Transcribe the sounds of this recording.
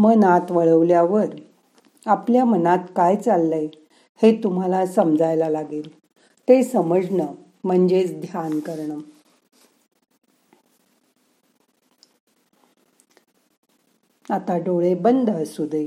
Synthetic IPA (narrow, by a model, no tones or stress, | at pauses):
mənat̪ʋəɭəʋljaʋəɾ | apljamənat̪kajt͡salːej | het̪um̤alasəmd͡zajlalaɡiːl | t̪esəməd͡znə | m̤əɳd͡ʑet͡sd̪ʱjankəɾɳə | at̪aɖoɭebənd̪ʱəsud̪ʱe